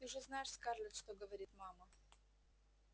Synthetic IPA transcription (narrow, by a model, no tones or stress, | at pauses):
t̪ɨʊʐɛznajɪʂskarlʲɪt̪ʂt̪oɡəvɐɾʲit̪mamə